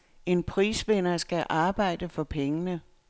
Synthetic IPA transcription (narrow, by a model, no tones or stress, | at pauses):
e̝npʰʁḭːsʋenɐsɡ̥æʔɑ̈ːb̥ɑ̈ɪ̰d̥əfɒ̽pʰeŋənə